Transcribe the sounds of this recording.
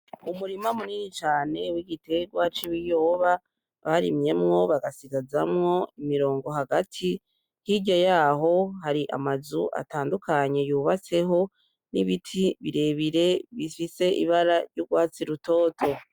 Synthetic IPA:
umuɾimamuninit͡ʃaːne̞wiɡite̞ɡwat͡ʃiwijoβa | βaɾimɲe̞mŋo̞βaɡasiɡazamŋo̞imiɾo̞ːŋɡo̞ɦaɡatʰi | hiɟajaːɦo̞haɾiʔa̰mazuʔa̰taːndukaɲe̞juːβat͡se̞ɦo̞ | nḭβitʰiβiɾe̞βiɾe̞βifise̞ʔḭβaɾaɾjuɾɡwaːt͡siɾuto̞ːtʰo̞

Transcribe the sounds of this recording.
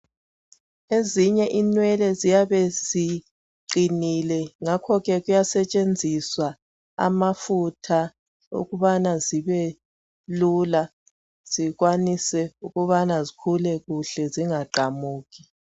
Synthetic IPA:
eziɲɛʔinwɛlɛzijaβesi | ǃinilɛŋakʰɔɣɛɣujasɛt͡ʃʼend͡zʱiswa | a̰mafutʰa | ṵɣuβanaziβɛ | lula | z̥iɣwanisɛuɣuβanazikʰulɛɣuɬɛziŋaǃʱamuːɣi̥

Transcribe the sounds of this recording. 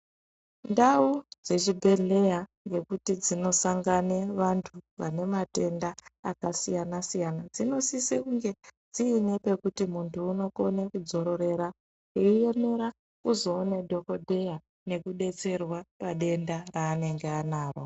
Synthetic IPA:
ndaud͡ze̞t͡ʃibʱe̞ɮe̞jaŋɡe̞kutid͡zino̞saŋɡane̞ʋantʰuʋane̞mate̞ndaːkasijanasijanad͡zino̞sisekuŋɡe̞d͡ziːne̞pe̞kutimuntʰuːno̞ko̞ne̞kud͡zo̞ɾo̞ɾe̞ɾa | eije̞me̞ɾa | uzo̞ːne̞dʱo̞ko̞dʱe̞ja | ne̞kuɗe̞t͡se̞rwapaɗe̞ndaraːne̞ŋɡeanaːro

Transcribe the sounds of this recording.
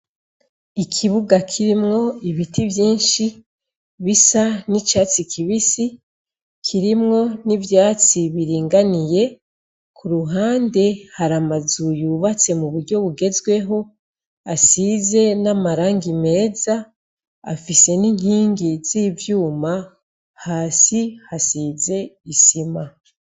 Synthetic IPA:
ikʰiβuɡakʰiɾimŋo̞iβitivjiːnʃi | βisanit͡ʃaːt͡sikʰiβisi | kʰiɾimŋo̞nivjaːt͡siβiɾiːŋɡanije̞ | kʰuɾuɦaːnde̞haɾamazujuβat͡se̞muβuɾɟo̞βuɡe̞zɡwe̞ɦo̞ | asize̞namaɾaːŋɡime̞ːzaː | fise̞niŋ̥hiːŋɡiz̥iːvjuːma | haːsihasize̞isima

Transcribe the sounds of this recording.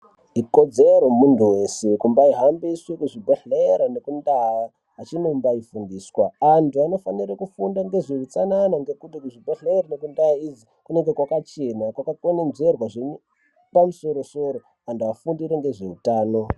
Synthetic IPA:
iko̞d͡zeɾo̞muntʰuwe̞sekumbaiɦambiswekuʐibʱaɬeɾanekundaa | at͡ʃinombaifundiːswaantuano̞faniɾakufundaŋɡe̞ʐeut͡sananaŋɡe̞kutikuʐibʱaɬeɾane̞kundaaid͡zi | kune̞ŋɡe̞kwakat͡ʃe̞nakwakakonenze̞rwaʐeɲu | pamuso̞ɾo̞so̞ɾo | antuafundiɾeŋɡe̞ʐe̞utaːno̞

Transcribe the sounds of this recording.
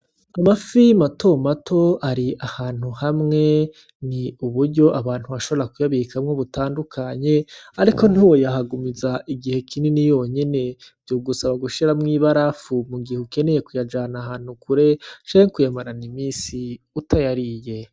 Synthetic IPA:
amafimato̞matʰo̞aɾiʔahaːn̥huhamŋe̞ | niuβuɾɟo̞ʔaβaːn̥huβaʃo̞βoɾakujaβikamŋo̞βutaːndukʰaɲe̞aɾiko̞n̥uːwo̞jaɦaɡumizaʔiɡihe̞kʰininijo̞ɲene̞b̥joːɡusaβaɡuʃiɾamŋiːβaɾafumuɡihuke̞ne̞je̞kujad͡ʒaːnahaːn̥hukuɾe̞t͡ʃaekujamaɾanimiːsi | utʰajaɾije̞

